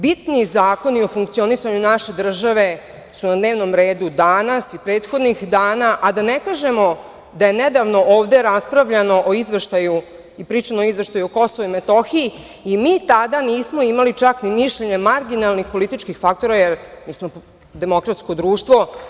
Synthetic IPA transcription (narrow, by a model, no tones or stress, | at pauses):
bit̪nizaːko̞nio̞fuŋk̚t̪sio̞nisaɲunaʃe̞d̪r̩ʒaʋe̞ | sunad̪ne̞ːʋno̞mɾe̞ːd̪ud̪aːnasipɾe̞ːt̪xod̪nixd̪aːnaʔad̪anekaːʒe̞mo̞ | d̪aje̞ned̪aʋno̞ʔoːʋd̪eɾaspɾaʋʎano̞ʔoizʋeʃt̪aju | ipɾiːt͡ʃanooizʋe̞ʃt̪ajuoko̞soʋuimet̪o̞xiiː | miːt̪ad̪aniːsmo̞imalit͡ʃaknimiʃʎeɲemaɾɡinalˠnixpo̞lit̪it͡ʃkixfak̚t̪o̞ɾajeɾmiːsmo | d̪e̞mo̞kɾat̪sko̞d̪ɾuːʃt̪ʋo̞